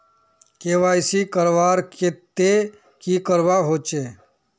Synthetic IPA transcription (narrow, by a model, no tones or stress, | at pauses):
keːʋaːɪsikəɾʋaːɾket̪e | kiːkəɾʋaɦoːt͡ʃeː